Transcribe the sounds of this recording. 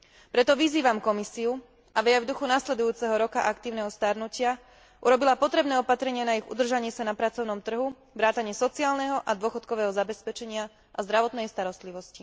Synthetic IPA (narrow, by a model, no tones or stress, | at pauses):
pɾɛt̪ɔʋiziːʋamkɔmisiu | ʔaʋɛavd̪uxunaslɛd̪ujuːt͡sɛɦɔɾɔkaʔakt̪iːʊnɛɦɔst̪aɾnucɪa | ʔuɾɔbilapɔt̪ɾɛbnɛːɔpat̪ɾɛɲɪanaiɣṵd̪r̩ʒaɲɪɛsanapɾat͡sɔʊnɔmt̪r̩ɦu | ʋɾaːt̪aɲɪɛsɔt͡siaːlnɛɦɔʔad̪ʊɔxɔt̪kɔʋɛːɦɔzabɛspɛt͡ʃɛɲɪa | ʔazd̪ɾaʋɔt̪nɛjst̪aɾɔst̪liʋɔsci